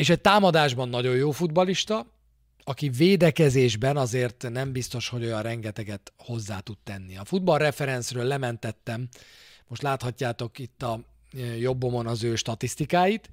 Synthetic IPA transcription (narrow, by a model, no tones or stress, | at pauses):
eːʃɛc̚t̪aːmɒd̪aːʒbɒnːɒɟo̞jjoːfud̪bɒliʃt̪ɒ | ɒkiveːd̪ɛkɛzeːʒbɛnɒzeːrt̪nɛmbist̪o̞ʃho̞ɟo̞jɒrrɛŋɡɛt̪ɛɡɛt̪ho̞zːaːt̪ut̪ːɛnːiɒfud̪̚bɒlrɛfɛɾɛnsrøːlːɛmɛnt̪ɛt̪ːɛmmoʃt̪laːt̪hɒcːaːt̪o̞kit̪ːɒ | jo̞bːo̞mo̞nɒzøːʃt̪ɒt̪ist̪ikaːjit̪